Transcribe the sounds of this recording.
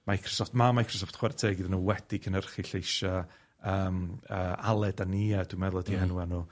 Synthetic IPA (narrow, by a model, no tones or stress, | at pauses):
majkʰrɔ̥sɔftmamajkʰrɔsɔftχwɛrtʰeːɡiðanuːwɛd̥ikʰənərχiɬejʃa | əːməːalˠɛdaniːad̥wimɛðlˠɔdihɛnwanu